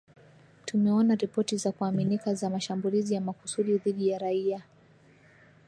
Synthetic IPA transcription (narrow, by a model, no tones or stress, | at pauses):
tumɛɔnaɾipɔtizakuaminikazamaʃambulizijamaku̥suɗiðiɗijaɾaia